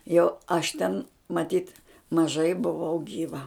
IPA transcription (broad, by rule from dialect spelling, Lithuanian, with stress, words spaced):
jɛʊ ˈɐʃ tʲɛn mɐˈtʲiːt mɐˈʒɐɪ bʊˈʋɐʊ ɡʲiːˈʋɐ